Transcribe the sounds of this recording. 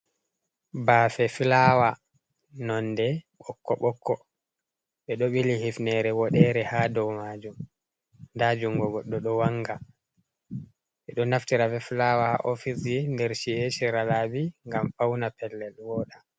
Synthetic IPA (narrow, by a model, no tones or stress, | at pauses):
baːfɛfilawa | nɔndɛɓɔkːɔ̰ɓɔkʰːɔ | ɓɛɗoɓilihifnɛɾɛwɔɗɛɾɛhadɔwmaːd͡ʒum | ndad͡ʒuŋɡɔɡɔɗːɔɗɔwaŋɡa | ɓɛɗɔnaftiɾafɛfilawahaʔofisindɛɾʃieʃiɾalabiŋɡamfawnapɛlːɛlwɔːɗa